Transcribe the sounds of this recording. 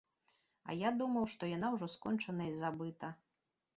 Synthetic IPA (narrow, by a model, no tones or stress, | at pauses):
ɐ̰jad̪umɐwʂt̪ɔjan̪awʐɔskɔnt͡ʂɐnɐizabɨt̪ɐ